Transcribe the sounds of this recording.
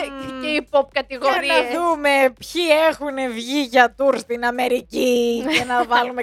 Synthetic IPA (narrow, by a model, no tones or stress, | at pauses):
eipop̚kɐt̪iɣoɾiesðume̞pçie̞xune̞vʝiʝɐt̪uɾst̪inɐme̞ɾicienɐvɐlume